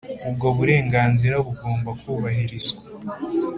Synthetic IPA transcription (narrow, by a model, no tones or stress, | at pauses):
ub̚ɡo̞βuɾe̞ːŋɡaːnziɾaβuɡo̞ːmbakuːβaɦiɾizɡwḁ